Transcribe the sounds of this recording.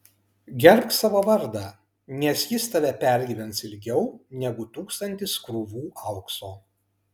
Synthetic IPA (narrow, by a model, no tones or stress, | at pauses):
ɡʲɛɾʲp̚ʲt̪ʲsɑːʋoːʋɐɾd̪ɑːˑ | nʲɛsjɪst̪ɐʋʲɛpʲɛˑɾʲɡʲiːʋʲɛnt̪sɪlʲɡʲɛʊnʲɛɡʊt̪uːkst̪ɐnʲt̪ʲɪskɾuʋuːʔɐʊksoː